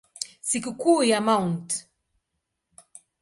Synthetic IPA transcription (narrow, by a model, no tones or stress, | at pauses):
sikukuːjamaunt